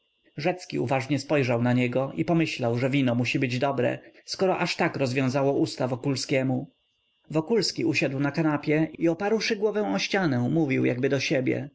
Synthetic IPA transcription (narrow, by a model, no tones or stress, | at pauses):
ʐɛt̪skʲḭṵvaʐɲɛspɔjʐawnaɲɛɡɔʔipɔmɘɕlawʐɛvʲinɔmuɕibɘd͡ʑd̪ɔbɾɛ̰skɔɾɔʔaʂt̪akɾɔzvʲjɔ̃w̃zawɔʔust̪avɔkulskʲɛmu | vɔkulskʲiuɕad̪wnakanapʲjɛiɔpaɾwʂɘɡwɔvɛw̃ɔɕt͡ɕanɛ̃muvʲiwja̰ɡbɘd̪ɔɕebʲjɛ̰